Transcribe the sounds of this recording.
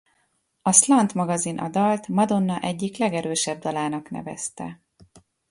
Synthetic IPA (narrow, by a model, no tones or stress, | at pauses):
ɒslɒnt̪mɒɡɒzinʔɒ̰d̪ɒlt̪mɒd̪o̞nːɒʔɛɟːiklɛɡɛɾøːʃɛb̚d̪ɒlaːnɒknɛ̰vɛ̰st̪ɛ̰